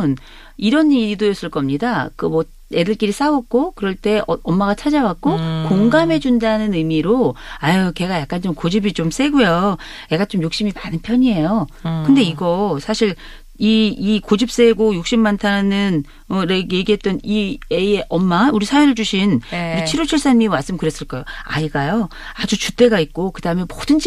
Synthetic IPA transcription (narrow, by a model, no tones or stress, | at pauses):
n | iɾʌnːiidojʌs͈ɯɭk͈ʌmɲidakɯmwʌ | e̞dɯɭk͈iɾis͈aʌk̚k͈okɯɾʌɭt͈e̞ʌmːaɣat͡ɕʰad͡ʑawak̚k͈okoŋɡamɦe̞d͡ʑundanɯnɯmiɾoajoke̞ɡajak͈ant͡ɕomkod͡ʑibit͡ɕoms͈e̞ɡojo | ne̞ɡat͡ɕomjok̚ɕ͈imimanɯnpʰjʌɲie̞jokkɯnde̞iɡʌsʰaɕʰiɭ | iikod͡ʑip̚s͈eɡojuk̚ɕ͈imːantʰannɯn | ʌneje̞ɡiɦe̞t̚t͈ʌnieeʔʌmːauɾisʰajonɯɭd͡ʑuɕʰinuɾit͡ɕʰiɾot͡ɕʰiɭs͈anmimaɭs͈ɯmkɯɾes͈ɯɭk͈ajoa̰iɡajo | ad͡ʑut͡ɕut͈e̞ɡait̚k͈okɯdaɯmemodɯnd͡ʑi